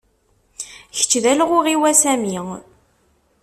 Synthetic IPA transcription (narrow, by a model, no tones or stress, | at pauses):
çə̥t͡ʃːðælʁʊʁiwæsæmi